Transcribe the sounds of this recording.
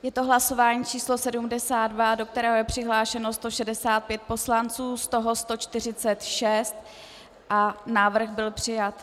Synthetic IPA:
jɛt̪o̞ɦlaso̞vaːɲiːt͡ʃiːslosɛdumdɛsaːdvado̞k̚t̪ɛɾɛːɦojɛpr̝̥ɪɦlaːʃɛno̞st̪o̞ʃɛdɛsaːt̪̚pjɛt̪̚po̞slant͡suːst̪o̞ɦo̞st̪o̞t͡ʃt̪ɪr̝ɪt͡sɛt̪ʃɛst̪̚ | ʔanaːvr̩xbɪlpr̥ɪjat̪

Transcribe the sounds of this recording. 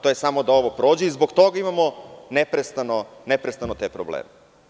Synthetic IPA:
t̪ojesamod̪ao̞ʋopɾo̞ːd͡ʑeizboɡt̪oɡaimamonepɾest̪anonepɾest̪anot̪eːpɾo̰blḛːme

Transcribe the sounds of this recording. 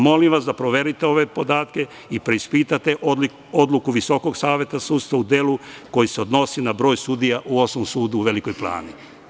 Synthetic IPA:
mo̞limʋasd̪apɾo̞ʋe̞ɾit̪e̞o̞ʋe̞po̞d̪aːt̪ke̞ | ipɾe̞ispit̪at̪e̞ʔ | o̞d̪lukuʋiso̞ko̞ɡsaːʋje̞t̪asuːt̪st̪ʋaud̪eluko̞jiseod̪no̞sinabɾo̞ːjsud̪ijaʔuo̞smomsuːd̪uːʋe̞liko̞jpla̰ːni

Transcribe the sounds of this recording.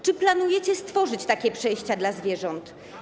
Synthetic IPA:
t͡ʂɘplanujɛt͡ɕɛst̪fɔʐɘt͡ɕt̪akʲɛpʂɛjɕt͡ɕad̪lazvʲjɛʐɔnt̪

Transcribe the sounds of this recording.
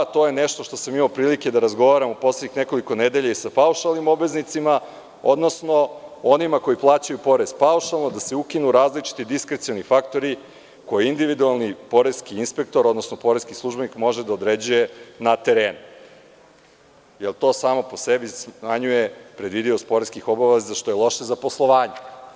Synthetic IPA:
t̪o̞je̞neʃt̪oʃt̪o̞samimawpɾiːliked̪aɾazɡo̞ʋaɾamopo̞sleɲixneko̞liko̞ned̪e̞ʎaisapauʃalˠnimo̞bʋe̞znit̪sima | o̞d̪no̞sno̞onimako̞jiplˠaːt͡ɕajupo̞ɾe̞zpauʃalˠnod̪aseukinuɾaːzlit͡ʃi̥t̪id̪iskɾet̪sijonifakt̪o̞ɾi | ko̞jiind̪iʋid̪ualˠnipo̞ɾeskiinspe̞k̚t̪oɾod̪nosnopo̞ɾeskislˠuʒbe̞nikmo̞ʒed̪aod̪ɾed͡ʑuje̞nat̪e̞ɾeːnu | jelˠt̪o̞ːsaːmo̞posebismaɲujepɾed̪ʋid̪iost̪̚po̞ɾeskixo̞baʋeezaʃt̪o̞jelˠo̞ʃezaposlˠo̞ʋaːɲe

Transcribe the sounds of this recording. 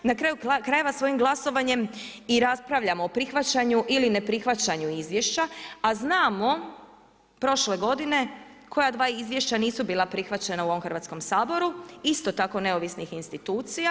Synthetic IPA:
nakɾajukɾaje̞ʋasʋo̞imɡlˠaso̞ʋaɲe̞miɾaspɾaʋʎamoopɾixʋat͡ɕaɲuʔiline̞pɾixʋat͡ɕaɲuizʋje̞ʃt͡ɕaaznaːmo̞ | pɾo̞ʃle̞ɡo̞d̪ine̞ | kʰo̞jad̪ʋaːizʋje̞ʃt͡ɕaniːsubiːlˠapɾixʋat͡ɕe̞nauo̞ʋo̞mxr̩ɾʋat̪sko̞msaːboɾuist̪o̞t̪ako̞ne̞o̞ʋisnixinst̪it̪uːt̪sija

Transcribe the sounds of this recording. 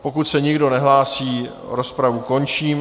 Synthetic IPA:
po̞kut̪sɛɲɪɡdo̞nɛɦlaːsiː | ɾo̞spɾavuko̞nt͡ʃiːm

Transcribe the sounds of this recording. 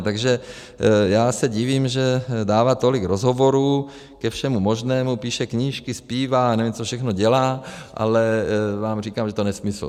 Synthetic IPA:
t̪aɡʒɛ | jaːsɛɟɪviːmʒɛdaːvat̪o̞lɪkɾozɦovo̞ɾuː | kɛfʃɛmumo̞ʒnɛːmupiːʃɛkɲiːʃkɪspiːvanɛvimt͡sofʃɛxno̞ɟɛlaːʔa̰lɛvaːmriːkaːmʒɛt̪onɛsmɪsl̩̰

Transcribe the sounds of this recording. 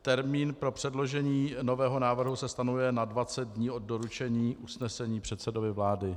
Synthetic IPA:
t̪ɛɾmiːnpɾo̞pr̥ɛdlo̞ʒɛɲiːno̞vɛːɦo̞naːvr̩ɦusɛst̪anujɛnadvat͡sɛd̪̚dɲiːʔo̞d̪̚doɾut͡ʃɛɲiːʔusnɛsɛɲiːpr̝̥ɛt̪sɛdovɪvlaːdɪ

